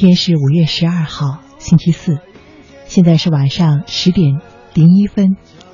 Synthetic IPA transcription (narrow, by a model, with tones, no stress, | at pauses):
jɛ˥nʂɻ̩˥˩u˨˩ɥɛ˥˩ʂɻ̩˧˥ɐ˥˧xɑ˥˩ʊ | ɕi˥nt͡ɕʰi˥sɹ̩˥˩ | ɕjɛ˥˧nt͡sa˥˧ɪʂɻ̩˥˩wa˨˩nʂɑ˥˧ŋʂɻ̩˧˥t̪jɛ˨˩n | li˧˥ŋi˥fə˥n